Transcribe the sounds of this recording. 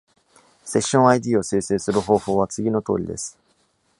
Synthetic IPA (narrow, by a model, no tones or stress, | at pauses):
se̞ɕːõ̞ɰ̃aid̪iːo̞seːseːsɨɾɯ̟ɦo̞ːho̞ːβat͡sɨɡʲino̞t̪o̞ːɾʲḭd̪e̞sɨ̥